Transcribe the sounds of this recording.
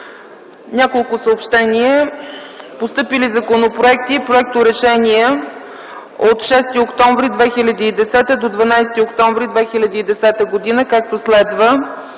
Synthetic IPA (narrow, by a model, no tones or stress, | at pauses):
nʲakolˠkʊsəopʃt̪ɛniə | post̪ɤpilizɐkonopɾoɛk̚t̪ipɾoɛk̚t̪ʊɾɛʃɛniɛ | ot̪ʃɛst̪iokt̪ɔ̃ɱvɾid̪vɛxilʲɐd̪iːd̪ɛsɛt̪əd̪od̪vɐnajst̪iokt̪ɔ̃ɱvɾid̪vɛxilʲɐd̪iːd̪ɛsɛt̪əɡod̪inəkak̚t̪oslɛd̪və